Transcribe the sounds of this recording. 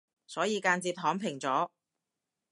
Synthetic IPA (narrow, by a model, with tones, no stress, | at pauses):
sɔː˨˥jiː˨˧kaː˧nt͡siː˧p̚ɦɔː˨˥ŋpʰɪ˨˩ŋt͡sɔː˨˥